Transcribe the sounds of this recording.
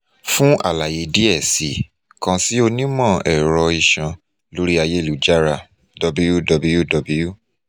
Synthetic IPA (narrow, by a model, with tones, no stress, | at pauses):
fũ˦ʔa̰˦˨la˨je˨˧˦di˦ɛ˦˨si˨ | kã˧si˦o˧nĩ˦mɔ̃˦˨ɛ˨ɾɔ˧i˧˨ʃã˧ | lo˦ɾi˦a˧je˦˨lu˨d͡ʒa˦ɾa˧˨ | dɔ˧bu˦˧ju˦dɔ˧bu˧ju˦dɔ˧bu˧˦ju˦˨